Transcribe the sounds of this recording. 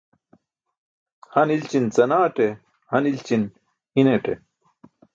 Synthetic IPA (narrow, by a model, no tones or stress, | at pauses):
hɐnilt͡ɕint͡sɐnaːʈe | hɐnilt͡ɕin | ineʈe